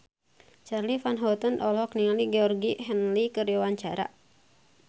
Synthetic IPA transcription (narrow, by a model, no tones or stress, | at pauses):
t͡ʃarlifanɦɔt̪ənɔlɔkniŋaliɡɛɔrɡiɦɛnlikərjawaɲt͡ʃaɾa̰